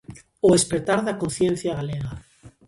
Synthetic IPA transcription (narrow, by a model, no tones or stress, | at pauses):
oespɾet̪aɾðakon̟θjen̟θjaɣaleɣa